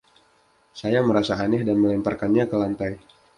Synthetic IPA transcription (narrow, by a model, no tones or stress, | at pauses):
sajaməɾasaːnɛhdanməlɛmparkanɲakəlant̪aj